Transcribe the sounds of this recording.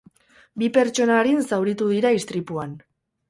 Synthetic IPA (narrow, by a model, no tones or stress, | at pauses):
bipe̞ɾt͡ʃo̞naɾinsawɾit̪uðiɾaist̪ɾipuan